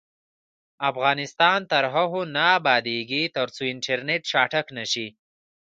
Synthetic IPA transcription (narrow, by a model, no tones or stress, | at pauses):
afɣɑːnɪst̪ɑnt̪aɾɦaɦonaːbɑd̪eɡit̪aɾt͡soɪɳʈʰeɾneʈʃɑːʈaknaʃi